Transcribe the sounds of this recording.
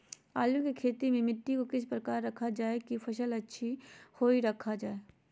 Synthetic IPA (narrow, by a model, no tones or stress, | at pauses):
aːljõkikʰeːt̪imẽmɪʈːikokɪs̬pɾəkaːɾːɐkʰad͡ʒaːekipʰɐʃəlɐtːʃʰihoːiɾɐkʰad͡ʒaːeː